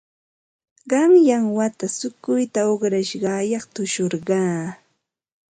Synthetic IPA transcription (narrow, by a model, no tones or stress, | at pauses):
ɢɑmjaŋwat̪asʊkʊjt̪aoχɾaʃɢɑːjɑχt̪ʊʃoɾɢɑː